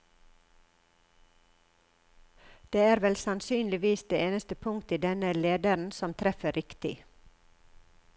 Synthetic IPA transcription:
d̪̥eːæːɾʋɛlsɑnsyːnlɪʋiːsd̪eːeːnəst̪əpʰʊŋkt̪iːd̪ɛnəleːd̪əɾɳ̩sɔmt̪ʰɾɛfəɾɪkt̪ɪ̰

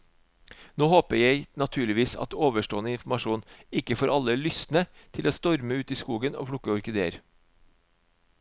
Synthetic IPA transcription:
noːhoːpəɾjeɪnɑt̪ʰʉːɭɪʋiːsɑ̰t̪oːʋəʂʈoːənəɪnfmɑʃuːnɪkəfoːɾɑləlʏsnət̪ʰɪloːst̪ɔɾməʉːt̪iːskuːɡəno̰ːpʰɽʊkːəɔɾkəd̪eːəɾ

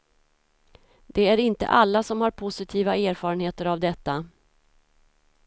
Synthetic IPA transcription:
d̪̥ɛæɾɪnt̪ə̰ʔalːasɔmhaɾpʰʊsɪt̪ʰiːvaeːɾfɑːɾənheːt̪əɾavd̪ɛt̪ːa

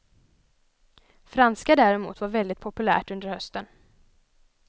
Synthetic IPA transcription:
fɾanskad̪æːɾɛmṵːt̪vaɾvɛld̪ɪt̪̚pʰɔpɵlæ̰ːʈɵnd̪əɾhœst̪ən

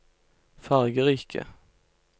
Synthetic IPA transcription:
fæʁɡəʁiːkʰə̰

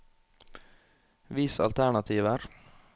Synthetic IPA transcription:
ʋɪsɑ̰lt̪ʰæɳɑt̪ʰiːʋəɾ

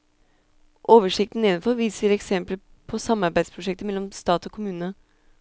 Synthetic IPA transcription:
ʔoːʋəʂɪk̚t̪n̩ɪnnfɔɾʋiːsəɾɛksɛmplə | pʰɔsɑmːɑɾbæɪspʰɾʊʂɛk̚t̪əmɛlːɔmst̪ɑːt̪ɔkʰʊmʉːnə

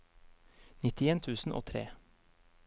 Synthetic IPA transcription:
nɪt̪ɪeːnt̪ʰʉːsn̩ʔo̰ːt̪ʰɾḛː

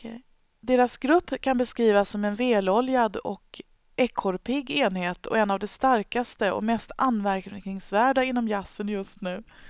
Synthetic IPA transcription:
ɛ | d̪eːɾasɡɾɵpːkʰanbɛskɾiːvasːɔmɛnveːlɔljad̪ɔ̰k | ʔɛkʰːɔɾpʰɪɡːeːnheːt̪ʰɔ̰ɛnːavd̪ɛst̪aɾkast̪əɔ̰mɛst̪ʔanːvæɾkknɪŋsvæːɖaɪn̪ːɔmjasːənjɵst̪nʉ̟ː

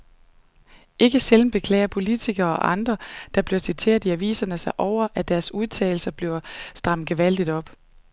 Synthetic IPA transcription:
ʔe̝ɡ̥əseln̩b̥e̝kʰlɛ̰ːɪɐpʰo̝lit͡sʰiɡ̥ɐːɒ̽ʔɑ̈nd̥ʁɐd̥ɑ̈b̥le̝ɐsit͡sʰe̝̰ːɐðˠiæʋḭːsɐnəsɑ̈ɪʔɒʊ̰ɐʔæd̥æɐsuð̞ˠt͡sʰɛ̰ːɪl̩sɐb̥leʊsd̥ʁɑ̈m̰ɡ̥eʋæl̰d̥id̥ɒ̽b̥

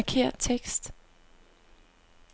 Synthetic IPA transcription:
kʰe̝ɐ̰d̥̚t͡sʰeɡ̥sd̥

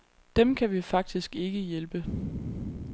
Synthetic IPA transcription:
d̥emkʰæʋifɑ̈ɡ̥̚d̥isɡ̥e̝ɡ̥əjelb̥ə

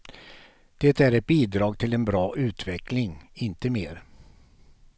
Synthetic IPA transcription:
d̪̥ɛːt̪æɾɛt̪̚biːd̪ɾɑːɡ̚t̪ʰɪlɛnbɾɑːʔʉ̟ːt̪vɛklɪŋɪnt̪əmeːɾ

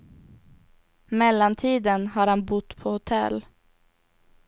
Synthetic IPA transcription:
mɛlːant̪ʰiːd̪ənhaɾhanbʊt̪ːpʰɔhʊt̪ʰɛ̰l

